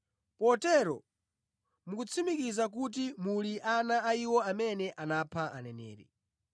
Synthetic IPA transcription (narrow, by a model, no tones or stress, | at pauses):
pɔtɛɾɔ | mukut͡sʰimikizak̬ut̬imuliʔanaaiwɔamɛnɛʔanapʰaʔa̰nɛnɛ̰ːɾɛ̰